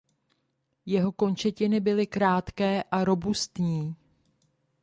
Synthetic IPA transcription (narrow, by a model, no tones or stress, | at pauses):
jɛɦo̞ko̞nt͡ʃɛcɪnɪbɪlɪkɾaːt̪kɛːʔaɾo̞bust̪ɲiː